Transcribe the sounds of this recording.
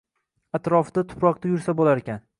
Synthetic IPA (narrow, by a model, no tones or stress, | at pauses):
at̪ɾɒfd̪at̪ʰʊ̥pɾɒq̚t̪ajʊɾsabolaɾekʲan